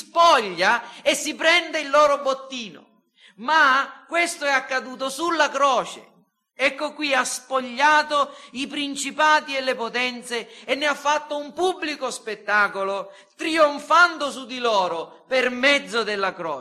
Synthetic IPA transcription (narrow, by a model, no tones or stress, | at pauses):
spɔʎːaesːipɾɛnd̪eilːɔːɾobot̪ːiːno̰ | makːwest̪oɛakːad̪uːt̪̬osulːakɾɔːt͡ʃḛ | ɛkːokwiaspoʎːaːt̪oipɾint͡ʃipaːt̪iɛlːepot̪ɛnt̪seːnːɪafːat̪ːoumpubːlikospet̪ːaːkolo | t̪ɾioɱfand̪osud̪ilɔːɾʊ | permɛd̪zːod̪elːakɾɔː